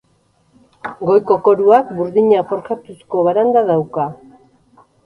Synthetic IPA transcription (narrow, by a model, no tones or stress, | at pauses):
ɡo̞jko̞ko̞ɾuakbuɾðiɲafo̞ɾkat̪usko̞βaɾand̪aðawka